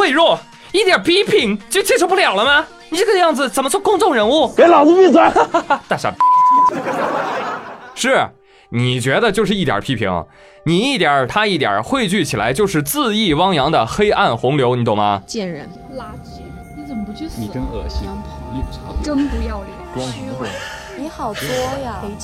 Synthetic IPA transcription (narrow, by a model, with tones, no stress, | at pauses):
xwe˥˧ɪɻwɔ˥˩ | i˥˩t̪ja˨˩pʰi˥pʰi˧˥ŋt͡ɕjo˥˩t͡ɕʰɛ˥ʈ͡ʂʰu˧˥p̬u˥˩ljɑ˨˩ʊlə˦mɐ˧ | ni˨˩ʈ͡ʂə˥˩ɡə˧jɑ˥˩ŋd͡zɹ̩˩t͡sə˨˩nmə˦t͡swkʊ˥˧ŋʈ͡ʂʊ˥˩ŋɻə˧˥nu˥˩ke˧˥ɪlɑ˨˩t͡s̩˥pi˥˧swa˧˥t̪a˥˧˩ɕa̰˥˧˩ | ʂɻ̩˥˩ | ni˨˩t͡ɕɥɛ˧˥d̪ə˧t͡ɕjo˥˧ʊʂɻ̩˥˩i˥˩t̪jɐ̰˨˩pʰi˥pʰḭ˧˥ŋ̰˧ | ni˨˩i˥˩t̪jə˨˩t̪ʰa˥i˥˩t̪jɑ̰˨˩xwe˥˧ɪt͡ɕy˥˩t͡ɕʰi˨˩la̰˧˥ɪt͡ɕjo˥˧ʊʂɻ̩˥˧t͡sɹ̩˥˧i˥˩wɑ˥ŋjɑ˧˥ŋd̪ə˧xe˥ɪʔa˥˩nxʊ˧˥ŋljo˧˥ʊni˨˩t̪o˥˩mɐ˧t͡ɕjɛ˥˩nɻə˧˥n | la˥t͡ɕi˧˥˩ | t͡sə˨˩mpu˧˥ni˨˩kə˥nɤ˥˩ɕi˥˧ | i˥˩˧ə˥ŋpu˧˥jɑ˥˩ʊli˥˩˥ŋ˥˧˩ | xɑ˨˩ʊt̪wɔ˥jɐ˧˩